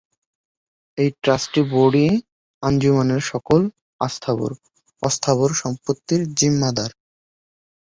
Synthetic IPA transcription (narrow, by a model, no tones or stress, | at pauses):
ejʈɾasʈiboɖi | and͡ʑumaneɾʃɔkol | ast̪ʰabo̰ɾ | ɔst̪ʰaβoɾʃɔmpot̪ːiɾd͡ʑimːad̪aɾ